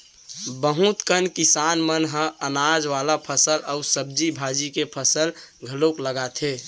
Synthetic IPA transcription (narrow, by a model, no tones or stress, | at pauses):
bəɦũt̪kənkɪsaːnmənɦə̃ənaːd͡ʒʋalapʰəsələusəb̚d͡ʒibʱaːd͡ʒikepʰəsəl | ɡʱəlokləɡat̪ʰe